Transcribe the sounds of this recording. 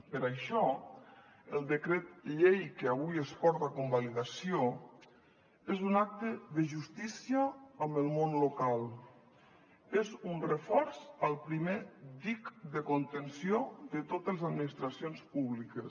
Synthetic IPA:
pəɾaʃɔ | əlˠd̪əkɾet̪̚ʎejkəaβujəspɔɾt̪akombaliðasio | ezunak̚t̪əðəʒust̪isiəːmbəlˠmonlokalˠ | ezunrəfɔɾzalˠpɾimed̪ikd̪əkont̪ənsioðət̪ot̪əlezad̪minist̪ɾasionspuβlikəs

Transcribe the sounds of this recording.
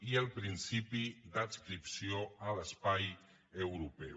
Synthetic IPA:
iəlˠpɾinsipid̪əskɾipsioələspaj | əwɾupɛ

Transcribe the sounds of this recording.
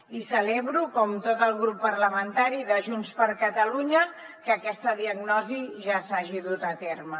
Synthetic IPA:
isəleβɾukɔmt̪ot̪əlˠɣɾupːəɾləmənt̪aɾiðəʒunspəɾkət̪əluɲə | kəkɛst̪əðiəɡnɔziʒasaʒiðut̪ət̪ermə

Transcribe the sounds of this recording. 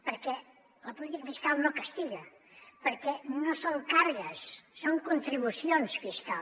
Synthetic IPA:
pəɾkɛ | ləpulit̪ikəfiskalˠnokəst̪iɣə | pəɾkɛnosoŋkaɾɣəsːoŋkunt̪ɾiβusionsfiskal

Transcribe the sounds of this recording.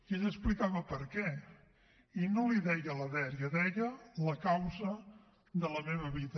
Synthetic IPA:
əzəsplikaβəpəɾkɛ | inoliðɛjələðɛɾjəðɛʎələkawzə | d̪ələmeβəβiðə

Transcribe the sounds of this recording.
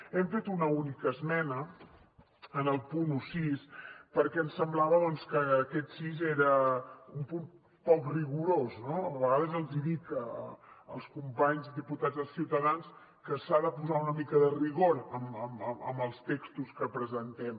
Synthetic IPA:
ɛmfet̪unəunikəzmɛnə | ənəlˠpunusispəɾkɛənsəmblaβəðɔnskəːkɛt̪sizeɾəumpun | pɔkriɣuɾoznoəβəɣaðəzəlˠziðikəə̰lˠskumpaɲzd̪ðiput̪ad͡zðəlˠsiwt̪əðans | kəsaðəpuzaunəmikəðəriɣoɾəməməə̰məlˠst̪ekst̪uskəpɾəzənt̪ɛm

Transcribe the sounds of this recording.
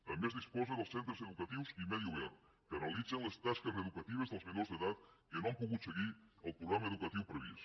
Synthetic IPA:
t̪ambezðispɔzeðəlˠsent̪ɾezeðukɐt̪iwsimɛðjuβɛɾt̪ | kɐnalid̪d͡zenlest̪askezeðukat̪iβ̞ezðəlˠzmenozðeðat̪̚kenoampuɣut̪seɣiəlˠpɾuɣɾamaeðukat̪iwpɾeβ̞ḭs

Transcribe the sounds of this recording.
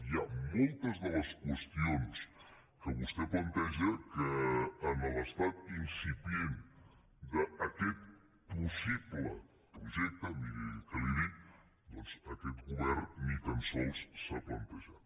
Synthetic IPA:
jamolˠt̪əzðələskwəst̪ions | kəβust̪eplant̪ɛʒəkəːnələst̪at̪̚insipjen | d̪əːkɛt̪̚ | pusiβlə | pɾuʒɛk̚t̪ənikaliði | d̪ɔnsəkɛt̪ɡuβɛɾnnit̪ansɔlsːəplant̪aʒat̪

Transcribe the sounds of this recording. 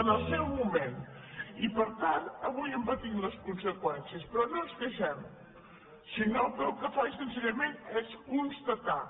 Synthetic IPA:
ənəlˠsɛwmumenipəɾt̪anəβujəmpət̪imləskunsəkwɛnsiəspɾɔnõzkəʃɛm | sinolpɛwkəfaʃsənsəɾəmenɛzkunst̪ət̪a

